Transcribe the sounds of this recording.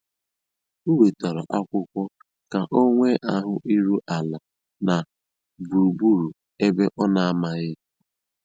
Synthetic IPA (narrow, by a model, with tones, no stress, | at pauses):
u˦we˨ta˨ɾɔ˨ʔa˦kʷʊ˦kʷɔ˦ | ka˨ʔo˦ŋʷe˦ʔa˦ɦʊ˦ʔi˦ɾu˦ʔa˨la˨ | na˨ | bu˨ɾu˨bu˦ɾu˨ | e˦be˦ʔɔ˦na˨a˦ma˨ɣɪ˦